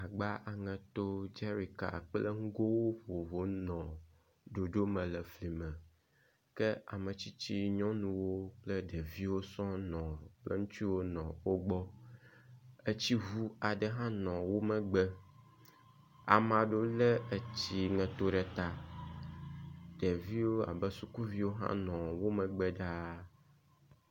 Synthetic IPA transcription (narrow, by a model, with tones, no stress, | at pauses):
a˨ɡ͡ba˦ʔa˨ŋɛ̃˨t̪o˦d͡ʒɛ˦ɾi˨ka̰˨k͡plɛ̰˦ŋ̩˦ɡo˦wo˦ɸo˨vo˨˦nɔ̃˨ | ɖo˨ɖo˦mɛ̃˨lɛ˨fli˨mɛ̃˨ | kɛ˦a̰˨mə̃˨t͡ɕi˦t͡ɕi˦ɲɔ̃˦nũ˨wo˦k͡plɛ˦ɖɛ˨vi˦wo˦sɔ̃˦nɔ̃˨k͡plɛ̰˦ŋũ˦t̪i˦wo˦nɔ̃˨wo˦ɡ͡bɔ˦ | e˦t͡ɕi˦vu˦a˨ɖɛ˨ɦã˦nɔ̃˨wo˦mɛ̃˨ɡ͡bɛ˦ | a̰˨mã˨ɖo˦lɛ˦e˦t͡ɕi˦ŋɛ̃˨t̪o˦ɖɛ˨t̪a˦ | ɖ̥ɛ˨vi˦wo˦a̰˨bɛ˦su˨ku˦vi˦wo˦ɦã̰˦nɔ̃˨wo˦mɛ̃˨ɡ͡bɛ˦ɖa˦